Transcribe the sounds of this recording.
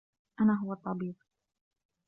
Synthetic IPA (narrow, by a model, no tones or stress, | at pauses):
ʔanaːɦʊwat̪ˤːɑbiːq